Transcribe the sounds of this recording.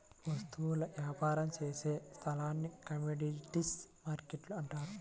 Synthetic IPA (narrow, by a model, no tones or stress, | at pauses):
ʋɐst̪uʋulɐʋjaːpaːɾɐmt͡ʃeːseːst̪ʰɐlaːnːikɐmeɖiʈismaːɾkeʈluɐɳʈaːɾu